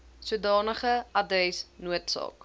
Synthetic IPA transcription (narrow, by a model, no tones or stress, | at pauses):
suədɑːnəχəʔɐdɛsnuətsɑ̰ːk